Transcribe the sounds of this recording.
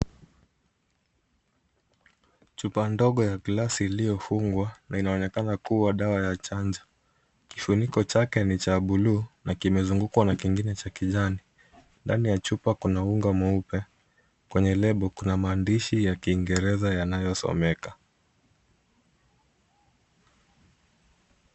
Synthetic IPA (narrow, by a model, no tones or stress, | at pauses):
t͡ʃupandɔɠɔjaklasiːlijɔfuŋɡwanainaɔnɛkanakuwaɗawajat͡ʃand͡ʒa | kifunikɔt͡ʃakɛnit͡ʃaɓuluːnakimɛzuŋɡukwanakiŋɡinɛt͡ʃakiʄani | ndanijat͡ʃupakunauŋɡamɔupɛ | kwɛɲɛlɛɓɔkunamaːndiʃijakiːŋɡɛɾɛzajanajɔsɔ̰mɛka